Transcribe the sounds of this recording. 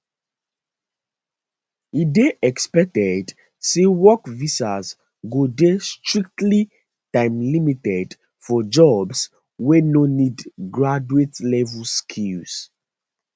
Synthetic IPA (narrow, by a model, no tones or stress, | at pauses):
ideʔɛkspɛk̚tɛd | sewɔkvisaz | ɡodestɹik̚tli | tãɪ̃mlimitɛd | fɔd͡ʒɔbs | wenonidɡɹad͡ʒuetlɛvuskʰils